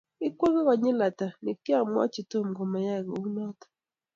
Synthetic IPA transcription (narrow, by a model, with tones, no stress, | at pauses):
ɪ˦kwo˦ɡe˦kɔ˨ɲɪ˦la˨ta˨nɪ˨kɪ˦a˦˨mwɔ̰˦t͡ʃi˨to˦˨mɡo˨ma˨ja˦˨ɡɔ̰˨u˦nɔ˦tḁ˨